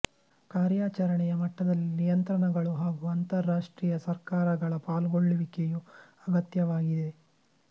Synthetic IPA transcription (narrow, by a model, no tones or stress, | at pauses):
kaːɾjaːt͡ʃɐɾɐɳɛjɐmɐʈːɐd̪ɐlːinijɐnt̪ɾɐɳɐɡɐɭuɦaːɡuɐnt̪ɐɾːaːʂʈɾiːjɐsɐɾkaːɾɐɡɐɭɐpaːlɡoɭːuʋikeju | ɐɡɐt̪jɐʋaːɡid̪e̞